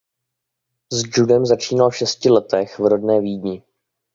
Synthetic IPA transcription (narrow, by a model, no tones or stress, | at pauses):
zd͡ʒudɛmzat͡ʃiːnalfʃɛscɪlɛt̪ɛxvɾodnɛːviːdɲɪ